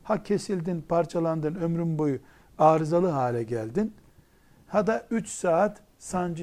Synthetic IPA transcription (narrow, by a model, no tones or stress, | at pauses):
hacʰe̞silʲd̪inpʰaɾt͡ʃʰalˠand̪ɯnømɾynbo̞ju | aːɾɯzalˠɯɦaːlʲɛɟælʲd̪in | had̪ayt͡ʃsaːt̪ | sand͡ʒ